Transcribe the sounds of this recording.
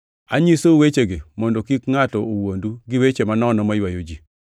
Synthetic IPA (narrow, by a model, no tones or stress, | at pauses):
a̰ɲisowet͡ʃeɡɪmɔndokikŋatɔowonduɡɪwet͡ʃemanɔnɔmajwajod͡ʒi